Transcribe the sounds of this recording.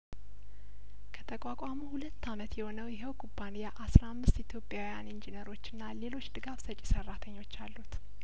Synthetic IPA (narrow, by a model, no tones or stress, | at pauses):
kʰət̪ʰəkʼakʼamuhulət̪ːamət̪jɛho̞nəwjɛɦɛwkʰʼubːanijaʔasɾamːɨst̪it̪ʰjo̞pʼːjawjanɨnd͡ʒinəɾo̞t͡ʃːɨnːale̞lo̞t͡ʃːd̪ɨɡafsət͡ʃʼːisərːat̪ʰəɲːo̞t͡ʃːalːut̪